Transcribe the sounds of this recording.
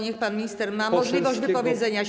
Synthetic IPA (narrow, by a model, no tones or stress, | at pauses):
ɲɛxpanmʲiɲist̪ɛɾmamɔʐlʲivɔʑd͡ʑvɘpɔvʲjɛd̪zɛɲa